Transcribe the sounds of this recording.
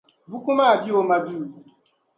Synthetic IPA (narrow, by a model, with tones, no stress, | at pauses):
vu˦ku˦ma˦˨bi˦wo˦ma˨bi˦˨